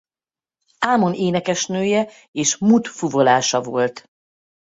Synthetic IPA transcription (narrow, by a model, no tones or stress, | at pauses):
aːmo̞neːnɛkɛʃnøːjɛ | eːʃmut̪fuvo̞laːʃɒvo̞lt̪